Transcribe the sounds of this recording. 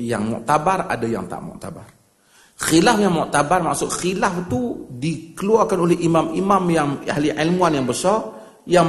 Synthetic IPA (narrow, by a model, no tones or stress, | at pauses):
ja̰ŋmɔ̰ʔt̪abara̰daja̰ŋt̪a̰ʔmɔ̰ʔt̪a̰bar | xilafjaŋmɔʔt̪abarmaʔsʊʔxilaft̪udikəluarkanolɛhʔimamimamjaŋa̰ɦliʕilmuanjaŋbəsɔr | ja